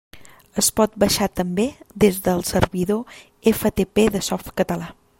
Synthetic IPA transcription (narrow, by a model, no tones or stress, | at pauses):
əspɔt̪̚bəʃat̪əmbed̪ezðəlˠsəɾβiðo | efət̪epeðəsɔft̪kət̪əla